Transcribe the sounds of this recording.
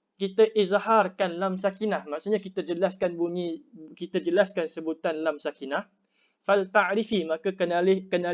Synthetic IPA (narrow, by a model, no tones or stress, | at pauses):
kit̪aʔizharkanlamsakinahmaʔsuɲakit̪ad͡ʒəlaskanbuɲikit̪ad͡ʒəlaskansəbut̪anlamsakinah | falt̪aʕɾifimãkakəalkəna